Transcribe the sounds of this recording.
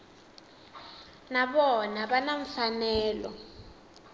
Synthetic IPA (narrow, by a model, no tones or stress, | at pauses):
naɓɔnaɓanaɱ̩fanɛːlɔ̰